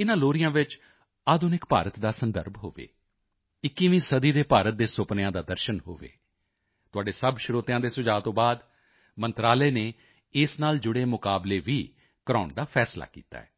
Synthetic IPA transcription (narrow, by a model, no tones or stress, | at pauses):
ɪnãːloːɾɪjãːʋɪt͡ʃ | aːd̪oːnɪkpa̰ːɾət̪d̪aːsənd̪əɾbɦo̰ːʋḛː | ɪkːiːʋĩːsəd̪iːd̪eːpaːɾət̪̚d̪eːsʊpnãːd̪aːd̪əɾʃənɦo̰ːʋḛː | t̪ʊaːɖeːsəbʃɾoːt̪jãːd̪eːsʊd͡ʒaːt̪õːbaːd̪ | mənt̪ɾaːleːneː | ɪsnaːld͡ʒʊɽeːmʊkaːbleːʋiː | kəɾaːɳd̪aːfʰɛːsla̰ːkḭːt̪a̰ːɛː